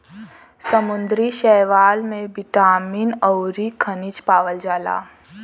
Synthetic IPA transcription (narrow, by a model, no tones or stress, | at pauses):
səmʊ̃nd̪ɾiʃɛːʋaːlmẽbɪʈaːmiːnɔʊɾikʰənɪt͡ʃpaːʋəld͡ʒaːla̰ː